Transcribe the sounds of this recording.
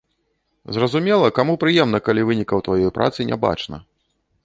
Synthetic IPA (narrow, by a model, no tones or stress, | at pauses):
zrɐzumʲɛlˠɐkamupɾɨjɛmnɐkalʲivɨnʲikɐwt̪vajɔjpɾʔa̰t̪sɨnʲa̰ba̰t͡ʂnɐ̰